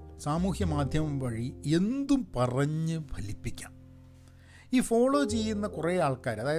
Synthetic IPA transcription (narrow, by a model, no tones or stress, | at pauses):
saːmuːhjɐmaːd̪ʱjɐmɐmʋɐɻie̞nd̪umpɐrɐɲːɨbʰʱɐlipːikʲːa̰ːm | iːfo̞ːɭo̞ːt͡ɕe̞jːunːɐkureːaːɭkaːɾɐðaːjɐ